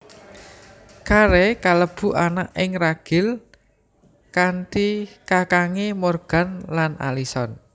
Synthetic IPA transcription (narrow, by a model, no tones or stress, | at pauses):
kaɾekaləb̥ṳʔanaʔɪŋraɡ̥ɪ̤l | kantikakaŋemorɡ̥a̤nlanʔa̰lisɔn